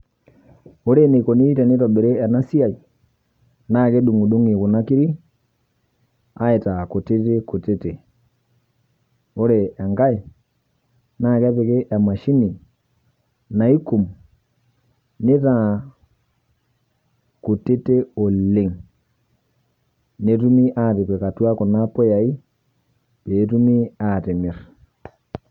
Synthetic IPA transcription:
o˦ɾe˦ne˨ko˨ni˦i˦tɛ˨ni˦tɔ˨be˨ɾe˦ɛ˨na˦si˦a˨i˨ | na˦˨kɛ˦du˨ŋu˨du˦ŋi˨ku˨na˦ki˦ɾi˦ | a˦ɪ˨ta˨ku˨te˦te˦ku˨te˦te˨ | o˦ɾe˨ɛ˨ŋɡa˦j | na˦˨kɛ˦pɪ˨ke˦ʔɛ˨ma˨ʃi˦ni˨ | na˨i˦ku˨m | ne˦ta˦˨ | ku˨te˦te˦o˨lɪ˨ŋ | ne˦tu˦mi˦ʔa˦˨tɪ˨pe˨ka˨twa˦kʊ˨na˦pɔ˦ja˨i˦ | pe˨˦tu˦mi˦a˦˨te˨mɪ˨r

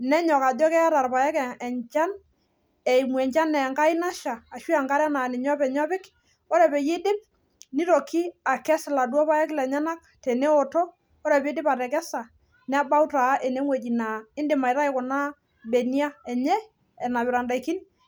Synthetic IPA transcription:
nɛ˦ɲɔ˨ka˨d͡ʒɔ˦kɛ˦ɾa˨ɾpa˨jɛ˦kɛ˨ɛ˨ɲt͡ʃa˦n | ɛ˨i˨mu˨ɛ˨ɲt͡ʃa˦nɛ˨ŋka˦ɪ˦na˦ʃaː˨ʃwi˦a˨ŋka˦ɾɛ˦na˨nɪ˨ɲɔ˦pɛ˨ɲɔ˦pɪ˦k | ɔ˦ɾɛ˨pɛ˨je˦dɪ˦p̚ | ni˦ɾo˨ki˦a˨kɛ˦sɪ˨la˨dwɔ˦pa˦jɛ˦klɛ˨ɲɛ˦na˦k̚ | tɛ˨ne˦ɔ˨to˦ | ɔ˦ɾɛ˨pɪ˦dɪ˦pa˨tɛ˨kɛ˦sa˨ | n˦a˦ba˦wta˨˦ʔɛ˨ne˦ŋwe˨d͡ʒi˨na˨ɪ˦ndɪ˨ma˨ɪ˨ɾa˦ɪ˦kʊ˨na˦ | bɛ˨ni˦a˦ɛ˨ɲɛ˦ | ɛ˨na˨βɪ˨ɾa˨nda˨jki˦n

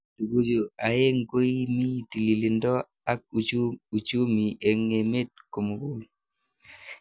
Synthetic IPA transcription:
tu˨ɡu˦d͡ʒu˨a˨je˦ŋko˦i˦mi˦ti˨li˨li˨ndɔ˦ | a˦k̚u˨t͡ʃu˦u˨t͡ʃu˦mi˨ʔe˨ŋe˨me˦t̚ko˨mu˨bu˦l

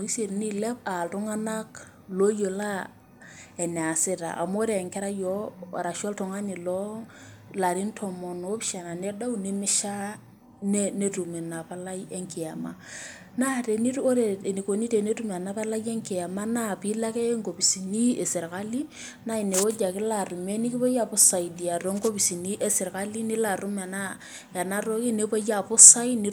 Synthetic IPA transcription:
i˦se˨ɾni˦lɛ˦pa˨ltʊ˦ŋa˦na˦k | lo˦jo˨la˦ | ɛ˨n˨a˨sɪ˦ta̰˨ʔa̰˨m˦o˦ɾeː˨ŋkɛ˦ɾa˦jɔ˦a̰˨ɾa˨ʃɔ˦ltʊ˨ŋa˦nɪ˨lɔ˦ | la˨ɾi˦ntʰɔ˨mɔ˨no˦pi˦ʃa˨na˨ne˦da˦wu˦ne˦mɪ˦ʃa˦ | ne˦ne˦tu˨me˨na˨pa˦la˦jɛ˦ŋkɪ˨a˨ma̰˨ | na˦ɾe˨ni˦o˦ɾe˨ni˨ko˨ni˦te˨ne˦tu˦m˨a˨na˦pa˦la˦je˦ŋkɪ˨a˨ma˦na˦˨pi˦la˦ke˦ŋko˨pi˨si˨ni˦e˨sɪ˨ɾka˦li˦ | na˦i˨ne˨o˦d͡ʒa˨kɪ˦la˨ɾu˨me˦ni˦kɪ˦po˦ja˨pʊ˦sa˨i˨di˨a˨ɾo˦ŋko˦pi˨si˨ni˦ʔe˦sɪ˨ɾka˦li˦nɪ˦la˨ɾʊ˦mɛ˨na˦ | ja˨na˦ɾo˦kɪ˦ne˦po˦ja˨pʊ˦sa˦ini˦

